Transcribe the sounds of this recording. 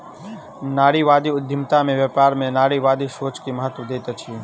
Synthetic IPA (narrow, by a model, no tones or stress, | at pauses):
naːɽiʋaːd̪iʊd̪ʱːɪmt̪amẽʋjəpaːɾmẽnaːɽiʋaːd̪iʃoːt͡ʃkiməɦət̪ʋəd̪eːt̪et͡ʃʰie